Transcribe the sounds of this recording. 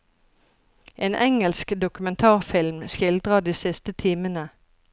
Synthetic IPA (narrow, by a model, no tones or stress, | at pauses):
ʔeːnʔɛŋəlskd̪ʊkʉmɛnt̪ʰɑːʁfɪlmʃçɪld̪ʁɑd̪iːsɪst̪ət̪ʰiːmənə